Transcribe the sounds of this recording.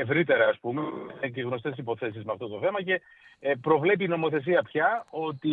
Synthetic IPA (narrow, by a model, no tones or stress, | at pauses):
evɾit̪e̞ɾɐːspumeeeɣno̞st̪esipo̞θe̞sizmeɐft̪o̞t̪oθe̞mɐce̞ | pɾo̞vle̞piːno̞mo̞θe̞s̬iɐpçɐo̞t̪i